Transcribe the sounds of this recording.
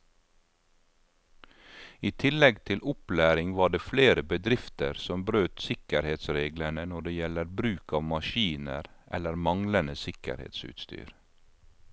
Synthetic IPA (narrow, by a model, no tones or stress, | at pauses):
iːt̪ʰɪlɛɡt̪ʰɪlʔʊplæːɾɪŋʋɑːɖeːfleːɾəbəd̪ɾɪft̪ə̰ɾsɔmbɾøːt̪sɪkəɾheːt̪sɾeːɡləɳənɔɖeːjɛləɾbɾʉːkɑːʋmɑʃiːnə̰ɾʔɛ̰ləɾmɑŋlənəsɪkə̰ɾhḛːt̪sʉ̰ːt̪st̪y̰ːɾ